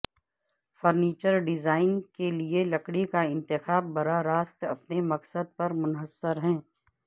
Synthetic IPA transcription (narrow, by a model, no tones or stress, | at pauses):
fɔɾniːt͡ʃəɾɖɪzaːɪnkelielɐkɽikaɪ̃nt̪ɪxaːbːɐɾaɾaːst̪ɐpnemɐqsəd̪̚pɐɾmʊnɦəsːəɾɦɛ̃ː